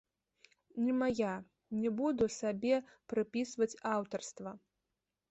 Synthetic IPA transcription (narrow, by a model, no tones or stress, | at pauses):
nʲɛmaja | nʲɛbud̪usabʲɛpɾɨpʲisvɐt͡sʲawt̪ɐrst̪vɐ